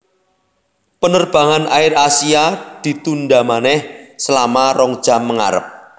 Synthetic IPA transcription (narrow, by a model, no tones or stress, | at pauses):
pənərb̥ä̤ŋanʔaɪrasiad̪̥i̤t̪undɖamanɛhsəlamarɔŋd̥ʒ̥a̤mːəŋa̰ɾə̰p̚